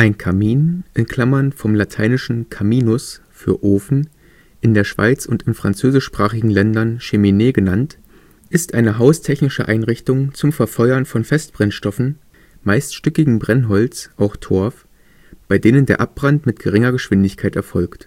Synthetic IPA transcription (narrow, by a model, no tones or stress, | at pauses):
ʔaɪnkʰamiːnʔɪnkʰl̥amɐnfɔmlatʰaɪnɪʃn̩kʰamiːnʊsfy̰ːɐʔoːfn̩ | ʔɪndeːɐʃv̥a̰ɪt͡sʊntɪnfʁ̥ant͡søːzɪʃpʁ̥aːχɪɡŋ̩lɛndɐnʃemineːɡənant | ʔɪstʔaɪnəɦaʊstʰɛçnɪʃə̰ʔaɪnʁɪçtʊŋt͡sʊmfɛɐfɔʏɐnfɔnfɛst̚b̥ʁɛnʃtɔfn̩ | maɪstʃtʏkɪɡŋ̩bʁɛnɦɔlt͡sʔaʊxtʰɔɐf | b̥aɪdeːnəndeːɐʔap̚b̥ʁantmɪtɡ̥əʁɪŋɐɡəʃv̥ɪndɪçkʰaɪtɛɐfɔlkt